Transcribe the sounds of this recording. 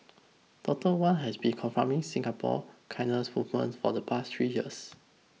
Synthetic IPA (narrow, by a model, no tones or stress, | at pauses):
tɔtəwãnɦɛsbĩnkʰɔ̃nfɹãmɪ̃ŋsɪ̃ŋapʰɔ̰kʰãɪnəsmuvmə̰̃ntfɔdəpʰast̪ʰɹijiəs